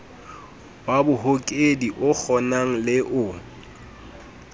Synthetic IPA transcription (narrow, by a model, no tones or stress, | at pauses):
babʊɦokʼediʔʊk͡xʰɔnaŋ̩lɪʔʊ